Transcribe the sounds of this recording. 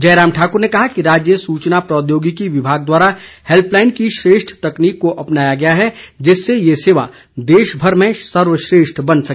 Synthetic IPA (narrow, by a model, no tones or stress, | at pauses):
d͡ʒɐːɾaːmʈʰaːkʊɾnekɐɦakiɾaːd͡ʒjəsuːt͡ʃnapɾɔːd̪joːɡikiʋɪbʱaːɡ̚d̪waːɾahelplaːɪnkiʃɾeːʃʈʰt̪ɐkniːkːoʔɐpnaːjaɡɐjaɦɛd͡ʒɪsːejeseːʋa̰ | d̪eːʃbʱɐɾmẽsɐɾʋəʃɾeːʃʈʰbɐnsɐk